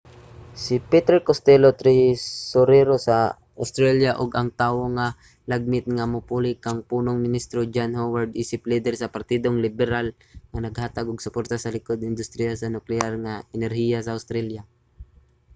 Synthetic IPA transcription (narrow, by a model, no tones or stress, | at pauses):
sɪpɛt̪ɛɹkost̪ɛlot̪ɾisʊɾɛɾosa | ʔʊst̪ɾaljaʔoɡɐŋt̪aːwoŋa | laɡ̚mɪt̪̚ŋamʊpulɪkaŋpuːnoŋmɪnist̪ɾod͡ʒanhowaɹd̪̚ʔiːsɪplid̪ɛɾsɐpaɾt̪id̪oŋlɪbɛɾal | ŋɐnɐɡhaːt̪aɡʊɡsʊpoɾt̪asɐlɪkod̪ɪnd̪ʊst̪ɾijasɐnʊklɛaɾŋaʔɛnɛɾhijasɐawst̪ɾalja